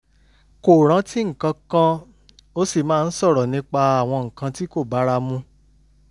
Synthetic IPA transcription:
ko˨ɾ̃ã˨˦ti˦ŋ̩˨kã˧kã˦ | o˦si˦˨mãː˦˧n̩˦sɔ˦˨ɾɔ˨nĩ˧k͡pa˧a˨w̃ɔ̃˧ŋ̩˨kã˧ti˦ko˦˨ba˨˦ɾa˧mũ˧

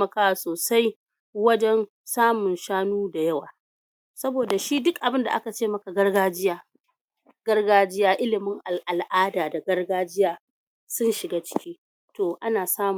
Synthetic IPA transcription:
ɐ˦kaː˦wa˨soː˨sa˦j | wɐ˦d͡ʒɛ˦n | saː˦mʊ˨nʃaː˦nuː˦da˨jɐ˦waː˨ | sɐ˦boː˨da˨ʃiː˦dʊ˦kʔa˨bɪ˦nda̰˨ʔa˦ka˨t͡ʃeː˦˨mɐ˦ka˨ɡɐ˦rɡaː˦d͡ʒɪ˦jaː˦ | ɡ̥ɐ˦rɡaː˦d͡ʒɪ˦jaː˦ʔɪ˦lɪ˨mɪ˦ŋʔa˨lʔa˨lʔaː˦daː˨da˨ɡɐ˦rɡaː˦d͡ʒɪ˦jaː˦ | sʊ˦nʃɪ˨ɡaː˦t͡ʃɪ̥˦kʲiː˦ | toː˨ʔa˦naː˨saː˦m˨

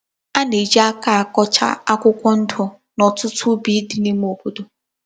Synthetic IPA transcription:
a˦ne˨d͡ʒi˦a˦ka˨a˨kɔ˦t͡ʃa̰˦a˦kʷʊ˦kʷɔ˦n̩˦dʊ˨ | nɔ˨tʊ˦tʰʊ˦bi˨˦dɪ˨ne˦m̩˦o˨bo˦do˦

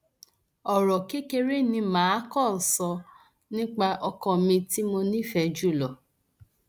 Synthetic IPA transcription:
ɔ˨ɾɔ˨ke˦ke˧ɾe˦nĩ˧mãː˨˦kɔ˦˨n̩˨sɔ˧ | nĩ˦k͡pa˧ʔɔ˧kɔ̃˧˨mĩ˧ti˦mo˧nĩ˦fɛ˧d͡ʒu˦˨lɔ˨

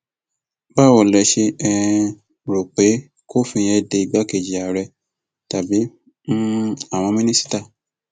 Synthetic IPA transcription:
ba˦wɔ˨lɛ˧ʃe˧ɛ˧ | ɾo˨k͡pe˨˦ | ko˦˨fĩ˧jɛ˧de˧i˨ɡ͡ba˨˦ke˨d͡ʒi˨a˨ɾɛ˧ | ta˨bi˨˦ | a˦˨w̃ɔ̃˧mĩ˦nĩ˦si̥˦ta˦˨

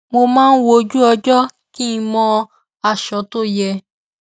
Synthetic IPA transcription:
mo˧mãː˦n̩˦wo˧d͡ʒu˦ɔ˧d͡ʒɔ˦ | ki˦i˧mɔ̃˧ | a˧˨ʃɔ˨˦to˦˨jɛ˧

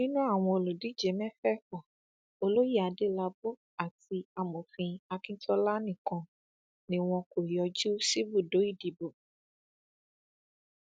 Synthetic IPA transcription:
nĩ˦nũ˦a˦˨w̃ɔ̃˧o˧lo˨di˨˦d͡ʒe˨˦mɛ̃˦fɛ˦fɔ˨ | o˧lo˦ji˦˨a˨˧de˦˨la˧bo˦ | a˦˨ti˧a˧˨mõ˨fĩ˧a˧kĩ˦tɔ˦la˦nĩ˦˨kɔ̃˧ | nĩ˧˦w̃ɔ̃˧ko˨jɔ˧d͡ʒu˦si˦bu˦˨do˨˦i˦˨di˨bo˨

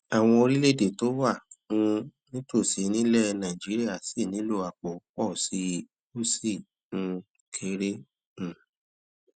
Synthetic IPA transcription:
a˨w̃ɔ̃˧o˧ɾi˦le˦˨de˨to˨˦wa˦˨ũ˧nĩ˦to˦˨si˨˦˧nĩ˦lɛ˦nã˨d͡ʒi˨˦ɾi˦a˦˨si˦˨nĩ˨˦lo˧a˨k͡po˨k͡pɔ˦˨si˧˦ | u˦si˦˨ | ñ̩˧ | kʰe˧˦ɾe˦ | ñ̩˨

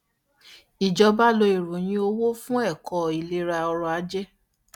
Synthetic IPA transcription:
i˨d͡ʒɔ˧ba˦lo˧i˨ɾo˨j̃ĩ˧˦o˧wo˦fũ˦ɛ˦˨kɔ˨i˨le˨˦ɾa˧ɔ˧ɾɔ˧a˧˦d͡ʒɛ˦

